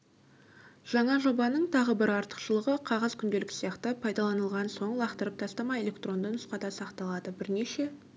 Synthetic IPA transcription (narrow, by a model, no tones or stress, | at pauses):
ʒ̥ɑɴɑʒo̞bɑnəɴt̪ʰɑʁəbɪɾɑɾt̪ə̥qʃəlˠəʁəqʰɑʁəzkʲʰʏnd̪e̞lɪksijɑqt̪əpʰɑjd̪ɑlˠɑnəlˠʁɑnso̞ɴlˠɑqt̪əɾəp̚t̪ʰɑst̪ɑmɑje̞lʲe̞kt̪ro̞nd̪ənʊsqɑd̪ɑsɑqt̪ɑlˠɑd̪əbɪɾneʃe̞